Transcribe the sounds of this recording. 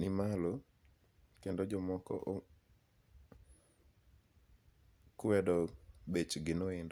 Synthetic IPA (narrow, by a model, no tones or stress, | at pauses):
nɪmalo | kendod͡ʒɔmɔkɔ̰ʔ | kʊwɛdɔbet͡ʃɡɪnoɪndɔ